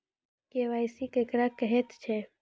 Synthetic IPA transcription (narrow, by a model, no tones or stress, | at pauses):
keʋajsikekɾakəɦet̪t͡ʃʰe